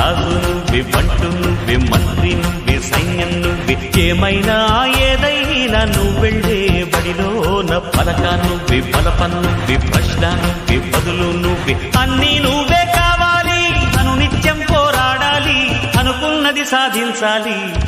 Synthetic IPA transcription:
aːzunuʋibɐɳʈunːuʋimɐnt̪ɾinuʋisɐjnjɐnːuʋit͡ʃːeːmɐjnɐːjeːd̪ɐjnɐnːuʋeɳɖeːbɐɽiloːnɐpːɐlɐkaːnuʋibʱɐlɐpɐnːuʋipɾɐʂɳaːnuʋibɐd̪ulunːuʋi | ɐnːiːnuːʋeːkaːʋaːliɐnunit͡ʃjɐmpoːɾaːɽaːliɐnukunːɐd̪isaːd̪ʱiɲt͡ʃaːli

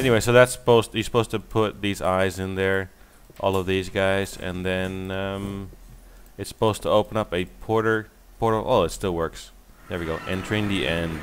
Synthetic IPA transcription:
ɛniweɪsoʊðætsə̥poʊzthisə̥pʰoʊz̥tʰɨpʰʊt̪̚ðizaɪzɨ̃nðə˞ | ʔɔ̰lˠʌvðizɡaɪzɨ̰̃nðɨ̃nʌ̃m | ɨtsə̥pʰoʊz̥tʰəoʊpə̃nʌpɨpʰɔɹɾə˞ | pʰɔɹɾlˠʔo̰lˠɨtstɪlˠwɜ˞ks | ðɛ˞wiɡoʊʔɛ̃ntʰə˞ɪ̃ŋðiʔɛ̃nd̥

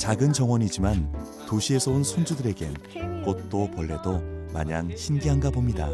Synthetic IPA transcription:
t͡ɕaɡɯnd͡ʑʌŋwʌɲid͡ʑiman | toɕʰie̞sʰʌunsʰund͡ʑudɯɾe̞ɡe̞n | kot̚t͈opʌɭːe̞doma̰ɲaŋɕʰinɡiɦanɡabomɲida̰

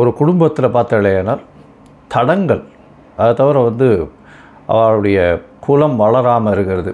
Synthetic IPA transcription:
ɔɾɯkʊɽʊmbɐt̪ːɪlɐpaːɾt̪ɐɪɭɐjaːnaːɾ | t̪ɐɽɐŋɡɐɭ | ɐðɯt̪ɐʋɐɾɐʋɐnd̪ɯ | ʔɐ̰ʋaːɭɯɽɐjɐkʰuːlɐmʋɐɭɐɾaːmɐɪɾɯkːɪɾɐðɯ

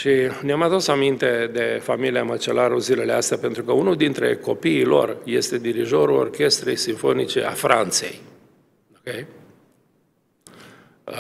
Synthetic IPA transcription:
ʃineamad̪usamint̪e̞d̪e̞familiamət͡ʃe̞laɾuzile̞least̪eape̞nt̪ɾukəunuld̪int̪ɾe̞̰ko̞piːlo̞̰rje̞st̪e̞d̪iɾiʒo̞ɾuo̞̰rkʲe̞st̪ɾe̞̰jsiɱfo̞nit͡ʃe̞̰a̰fɾʔant̪se̞̰j | okej

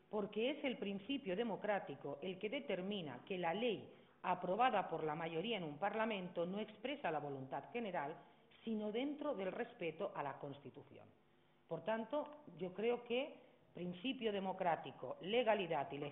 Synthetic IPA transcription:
poɾkeese̞lpɾinθipjoð̞emokɾat̪ikoʔelkeðet̪eɾmĩna̰kelalej | apɾoβaðapoɾlamaʝoɾiaenumpaɾlamẽnt̪onoekspɾesalaβo̞lunt̪at̪xeneɾal | sinoðent̪ɾoðe̞lrespet̪oʔalakonst̪it̪uθjo̰n | poɾt̪ant̪oʝokɾeoke | pɾinθipjoð̞emokɾat̪ikoleɣaliðat̪ile

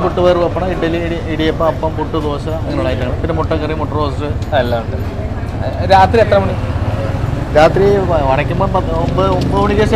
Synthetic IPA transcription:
puʈːuʋɐjrʋɐpːɐɳɐiʈːɐlːiɽiiɽijɐpːoɐpːɐmpuʈːɨt̪o̞ːɕɐɐŋːɐuɭaːjiʈ̪ːɐŋɐɳɐmp̪inɨmuʈːɐkːɐrimuʈːɐroːsɐsɨɐlːɐuɳɖɨ | ɾaːt̪riet̪rɐmuɳi | ɾaːt̪riʋɐɳɐkʲːumboːpɐombɨombɨoɳiɣɐɕ

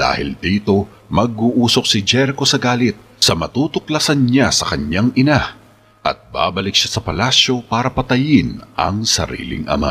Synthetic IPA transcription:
d̪a̰ːhɪ̰ld̪iːt̪o̞ | mɐɡ̚uʔuːso̞k̚sɪd͡ʒɛɾko̞sɐɡaːlɪt̪̚ | sɐmɐt̪uːt̪ok̚lɐsanɲasɐkɐɲːaŋʔɪna | ʔɐ̰t̪̚ba̰bɐlɪkʃasɐpɐlasjo̞paːɾɐpɐt̪ɐjɪnʔɐ̰ŋsɐ̰ɾḭːlɪ̰ŋʔɐ̰ma̰

